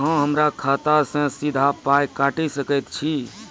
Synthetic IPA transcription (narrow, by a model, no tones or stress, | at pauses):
ɦə̃ɦəmɾakʰat̪asə̃sid̪ʱapajkaʈisəkəjt̪t͡ʃʰi